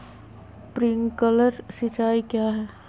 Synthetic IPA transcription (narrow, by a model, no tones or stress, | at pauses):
pɾɪŋkələɾsɪt͡ʃaːikjaːɦɛː